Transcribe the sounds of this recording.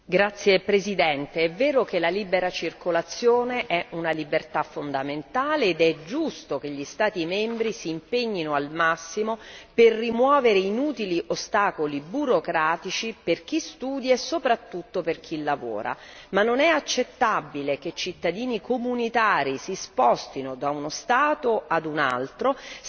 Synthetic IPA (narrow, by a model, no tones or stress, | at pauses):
ɡɾat̪sːjepɾezid̪ɛnt̪eɛvːɛːɾokelalibeɾat͡ʃirkolat̪sːjoːneʔɛunalibert̪afond̪ament̪aːleːd̪ɛd͡ʒust̪ok̟eʎːist̪aːt̪imɛmbɾisiːmpeɲːinoalmasːimoperːimwɔːveɾeinuːt̪iliʔost̪aːkolibuɾokɾaːt̪it͡ʃiperk̟ist̪uːd̪jesopɾat̪ːut̪ːoperk̟ʰilːavo̰ːɾa̰manːonɛat͡ʃːet̪ːabːilek̟et͡ʃit̪ːad̪iːnikomunit̪aːɾisispɔst̪inod̪aunost̪aːt̪oad̪una̰lt̪ɾo